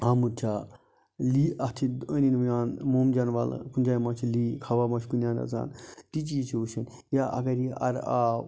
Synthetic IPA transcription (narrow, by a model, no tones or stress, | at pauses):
aːmuɾt͡ʃʰaː | liːʔɐt̪ʰiəninʋjaːnmoːmd͡ʒanʋal̰kund͡ʒaːjmãːt͡ʃʰiliːkʰaʋaːmat͡ʃʰkunjaːnɐ̰za̰ːnt̪it͡ʃijit͡ʃʰioʃʰɐn | jaʔɐ̰kɐɾiɐ̰ɾaː